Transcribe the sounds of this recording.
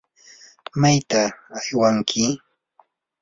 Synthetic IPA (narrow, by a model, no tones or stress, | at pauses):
majt̪aːjwaŋkʰɪ